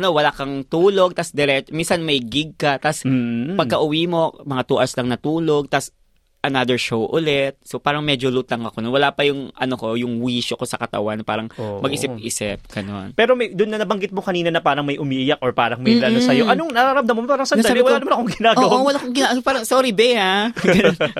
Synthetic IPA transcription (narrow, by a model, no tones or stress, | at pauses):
ʔɐnowɐlakɐŋt̪uːlo̞ɡ̚t̪asd̪ɛɾɛtminsɐnmɐjɡɪɡ̚kɐt̪aspɐɡkɐʔʊwiːmo̞mɐŋat̪uʔaɹslɐŋnɐt̪uːlo̞ɡ̚t̪as | ʔɐnad̪ɛɹʃowʔʊlɛt̪̚sopaːɾɐŋmɛd͡ʒolut̪ɐŋɐkonowɐlapɐjʊŋʔɐnoko̞jʊŋwiːʃoko̞sɐkɐt̪ɐ̰wanpa̰ːɾɐŋmɐɡʔisɪp̚ʔisɪp̚ɡ̥ɐno̞̰npɛːɾomɐjd̪ʊnːɐnɐbɐŋɡɪt̪̚mokɐniːnɐnɐpaːɾɐŋmɐjʔʊmiʔɪjak̚ʔoɹpaːɾɐŋmɐjlɐlosɐjoʔɐnoŋnɐɾaɾɐmd̪ɐmompaːɾɐŋsɐnabɪwɐlanmanɐkoŋɡɪnaːɡɐwawɐlakoŋɡɪnaːpaːɾɐŋsoːɾibɛhaɡɐnon